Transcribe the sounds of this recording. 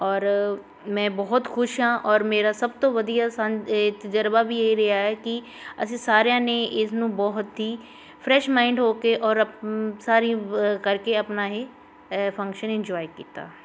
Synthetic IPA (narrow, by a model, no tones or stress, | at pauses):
ɔːɾ | mɛ̃ːbɔɦʊt̪xʰʊʃɦãʔɔːɾmeːɾasɐb̚t̪oʋɐd̪ijasãnt̪ɐd͡ʒəɾbabʱijeɦiɾɐɦaɦɛki | ɐ̰sĩsaːɾjãneʔɪs̬nũbɔɦʊt̪ɦi | pʰɾɛːʃmãːɪ̃ɳɖɦoːkeʔɔːɾɐsaːɾĩkɐɾkeɐpnaɦe | fʰɐ̃ŋkʃənɪ̃nd͡ʒɔːɪkḭːt̪a̰ː